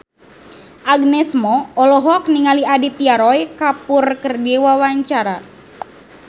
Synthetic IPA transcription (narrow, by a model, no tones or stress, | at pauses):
ʔaɡnɛsmɔːlɔɦɔk̚niŋaliadit̪iaɾɔjkapurkərdiwawaɲt͡ʃaɾa